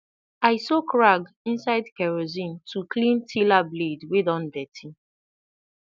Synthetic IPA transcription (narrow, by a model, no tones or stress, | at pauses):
aɪsɔkɹaɡ | ĩnsaɪdkɛɹozĩntʰuklĩntʰilabledwedɔ̃ndɛtʰi